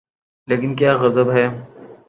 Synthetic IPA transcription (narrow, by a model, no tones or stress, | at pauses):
leːkɪnkjaːɣɐzəbɦɛː